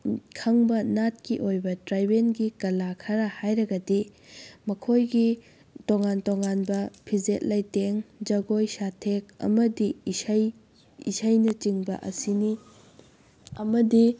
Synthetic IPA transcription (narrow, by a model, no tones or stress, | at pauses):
kʰɐŋbɐnat̚kiʔojbɐtɾajbenɡikɐlakʰɐɾɐhajɾɐɡɐdimɐkʰojɡi | toŋantoŋanbɐpʰizet̚lɐjteŋd͡ʒɐɡojsatʰek̚ɐ̰mɐdisɐj | ḭsɐjnɐt͡ʃiŋbɐ̰ʔɐ̰sini | ɐmɐdi